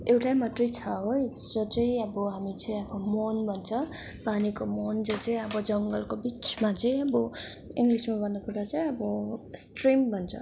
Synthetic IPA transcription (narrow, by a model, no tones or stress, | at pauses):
ewʈajmat̪rʌjt͡sʰʌɦoj | d͡zot͡sʌĩʌbʌɦamit͡sʌĩʌbʌmonbʱʌnt͡sʰʌ | panikomond͡zot͡sʌj̃ʌbʌd͡zʌŋɡʌlkobit͡smat͡sʌ̃j̃ʌbʌ | ḭŋɡlismabʱʌnːokud̪at͡sʌj̃ʌbʌsʈrimbʱʌnt͡sʰʌ̰